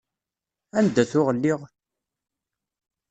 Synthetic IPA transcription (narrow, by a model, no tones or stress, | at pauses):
ænd̪ːæθʊʁəlːɪʁ